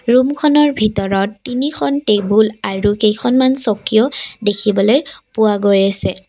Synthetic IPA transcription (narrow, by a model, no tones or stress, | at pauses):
ɹumkʰɔnɔɹbʱitɔɹɔtːinikʰɔntebulaɹuxejkʰɔnmansɔkijɔdekʰibɔlojpʊwaɡojasɛ